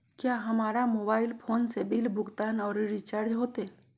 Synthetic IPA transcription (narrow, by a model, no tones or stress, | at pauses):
kjaːɦɐmaːɾamoːbaːɪlpʰoːnsebɪlbʊɡt̪aːnɔːɾɾit͡ʃaːɾd͡ʒɦoːt̪e